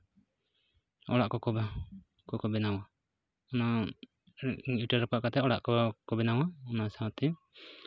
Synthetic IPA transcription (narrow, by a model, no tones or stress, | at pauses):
ɔ̰ɽaʔkɔkɔba | kɔkɔbɛnawa | ɔna | iʈaɾɔpaʔkat̪ɛɔɽaʔkɔkɔbɛnawaɔnasat̪ɛ